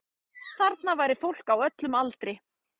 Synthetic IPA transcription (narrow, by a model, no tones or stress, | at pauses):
θaɾt̪navaːjɾɪfowl̥kawœt̪lʏmalt̪ɾɪ